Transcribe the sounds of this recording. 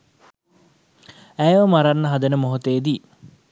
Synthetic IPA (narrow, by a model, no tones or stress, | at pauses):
æjʋəmaɾanːəɦad̪ənəmoɦot̪eːd̪i